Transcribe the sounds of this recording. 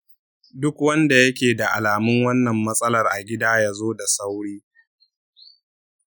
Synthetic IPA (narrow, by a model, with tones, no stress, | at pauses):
dʊ˦kwɐ˦nda˨jɐ˦kʲeː˨da˨ʔa˨laː˨mʊ˦ŋwɐ˦nːɐ˨mːɐ˦sʼɐ˦lɐ˨rʔa˨ɡʲɪ˦daː˦jaː˦zoː˦da˨sa˦wɽiː˦